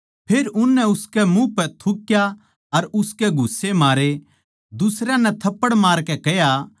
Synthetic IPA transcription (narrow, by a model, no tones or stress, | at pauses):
pʰeːɾʊnːɛʊskɛmũpɛt̪ʰʊkja | ɐɾʊskɛɡʱʊsːemaːɾe | d̪ʊsɾãnɛ̃t̪ʰɐpːəɽmaːɾkɛkɛja